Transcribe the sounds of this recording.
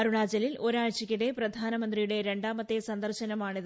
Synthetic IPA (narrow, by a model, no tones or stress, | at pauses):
ɐɾuɳaːd͡ʑɐlilo̞ɾaːɻt͡ɕikʲːiɽe̞prɐd̪ʱaːnɐmɐnd̪rijuɽe̞ɾe̞ɳɖaːmɐt̪ːesɐnd̪ɐrɕɐnɐmaːɳiðɨ